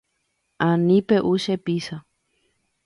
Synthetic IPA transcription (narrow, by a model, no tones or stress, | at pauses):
ʔãnĩpeʔuʃepisa